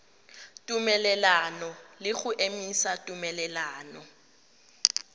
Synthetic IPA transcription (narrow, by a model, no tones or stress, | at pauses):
tʼumɛlɛlanɔlɪɣʊʔemisatʼumɛlɛlaːnɔ